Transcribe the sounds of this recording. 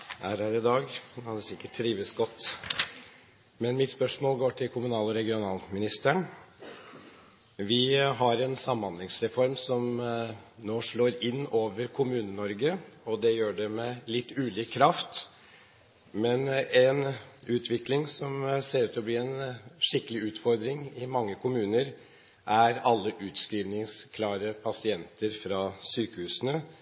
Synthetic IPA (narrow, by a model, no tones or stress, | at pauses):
æɾhæɾɪd̪ɑːɡkʰɑnd̪ɛsɪkːəʈʰːɾiːʋəsɡɔt̪ː | mɛnmɪt̪spœʂmoːlɡoːʈʰɪlkʰʊmʉnɑːlɔɾɛɡɪʊnɑːlmɪnɪst̪əɳ | ʋɪɦɑɾɛnsɑmːɑnd̪lɪŋsɾɛfɔɾmsɔm | noːʂɭoːɾɪnːoːʋəɾkʰʊmʉːnənɔɾɡəɔd̪ɛjøːɖɛmɛlɪt̪ːʉːliːkʰːɾɑft̪ | mɛnɛnʉːt̪ʰʋɪklɪŋsɔmseːɾʉːt̪ɔbliːɛnʂɪkːəlɪʉːt̪fɔɾd̪ɾɪŋɪmɑŋːəkʰʊmʉːnəɾ | ʔæɾɑlːəʔʉːt̪skɾiːʋnɪŋskʰlɑːɾəpʰɑsɪɛnt̪ʰəɾfɾɑsyːkəhʉːsənə